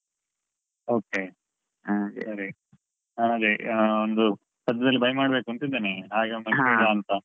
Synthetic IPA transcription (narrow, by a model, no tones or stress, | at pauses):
o̞ːke | sɐɾi | aːnaːd̪iond̪u | sɐt̪ːɐd̪ɐlːibʱɐjmaːɽbe̞ːkuɐnt̪id̪ːaːneɦaːɡemɐɡelːaːɐnt̪ɐ